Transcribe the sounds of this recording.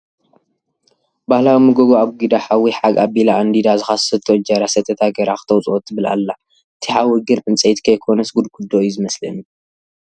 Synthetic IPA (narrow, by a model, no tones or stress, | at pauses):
bahlawimɨɡoɡoaβɡid̪aħawiħaɡabilaʔand̪id̪azɨxassɐt̪ʰːod͡ʒɐɾasɐt̪ʰːɐt̪ʰaɡɐɾaxɨ̥t̪ʰɐwt͡sʼot̪ʰːɨbɨla̰lːa | ʔɨt̪ʰiħawiɡɨɾʔɨnt͡sʼɐjt̪kʰɐjkʰonɐsɡud̪kʰud̪ːojuzɨmɐslɐ̰nu